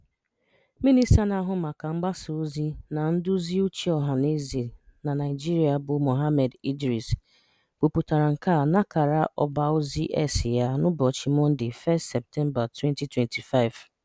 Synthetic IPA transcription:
mi˦ni˦sa˦na˦ɦʊ˦ma˨ka˨ŋ͡m̩˦ɡ͡ba˦so˨o˦zi˦na˨n̩˦dʊ˦zi˦o˦t͡ʃi˦ɔ˨ɦa˨ne˦zi˨na˨na˨ɪ˨d͡ʒi˦ɾi˨a˨bʊ˨mo˨ɦa˦me˨di˦dɾi˨s | b̥ʊ˨pu˨ta˨ɾa˨ŋ̩˨ka˦˨na˦ka˨ɾa˦ʔɔ̰˦ba˨o˦zi˦ʔe˦sɪ˨ja˦nʊ˦bɔ˨t͡ʃi˨mʊ˦n̩˦dɪ˨fɛ˦stsɛ˨p̚tɛ˦mba˨twɛ˦nti˦twe˨nti˨fa˦ɪ˨v̥

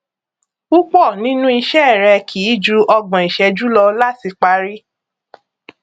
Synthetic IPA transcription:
u˦k͡pɔ˦˨nĩ˦nũ˦i˧ʃɛ˦˨ɾɛ˧kʰi˨˦d͡ʒu˧˦ʔɔ˧ɡ͡bɔ̃˨i˨ʃɛ˧d͡ʒu˦lɔ˧la˦ti˧k͡pa˧˦ɾi˦

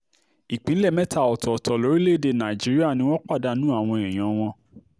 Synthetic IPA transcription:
i˨k͡pĩ˨˦lɛ˦˨mɛ̃˦ta˦˨ɔ˨tɔ˨tʰɔ˨lo˨˦ɾi˦le˦˨de˧˨nã˨d͡ʒi˨˦ɾi˦a˦˨nĩ˧˦w̃ɔ̃˦k͡pa˦˨da˧nũ˦a˦˨w̃ɔ̃˧e˨j̃ɔ̃˨˦w̃ɔ̃˧

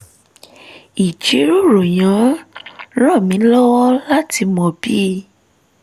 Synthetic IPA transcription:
i˨t͡ʃi˨˦ɾu˦˨ɾo˨j̃ã˨˦ | ɾɔ˦˨mĩ˨˦lɔ˦wɔ˦la˦ti˧mɔ̃˧bi˦

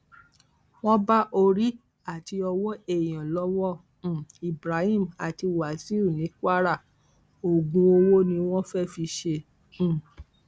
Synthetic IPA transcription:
w̃ɔ̃˦ba˦ʔo˧ɾi˦ | a˦˨ti˧ɔ˧wɔ˦e˦˨j̃ã˨lɔ˦wɔ̃˦˨ | i˨bɾa˨˦hĩ˦˨ma˨ti˧wa˨˦si˦u˦˨nĩ˨˦ka˦ɾa˦˨ | o˨ɡũ˧o˧wo˦nĩ˧w̃ɔ̃˦fɛ˦fi˧ʃẽ˧˦˨

